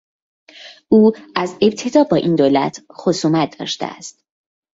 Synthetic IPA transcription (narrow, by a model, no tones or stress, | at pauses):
uːʔæze̞bt̪ʰe̞d̪ɒːbɒːʔiːnd̪oːlæt̪ʰxosuːmæt̪̚ʰd̪ɒ̰ːʃt̪ḛæ̰st̪̚